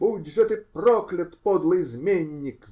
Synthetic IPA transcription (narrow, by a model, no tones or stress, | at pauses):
buwdʲʐɛt̪ɪprɔklʲɐt̪pɔd̪lˠɪjzʲmʲenʲːik